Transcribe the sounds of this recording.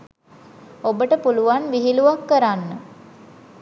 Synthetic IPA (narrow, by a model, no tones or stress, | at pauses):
obəʈəpuluʋanʋiɦiluʋakːəɾanːə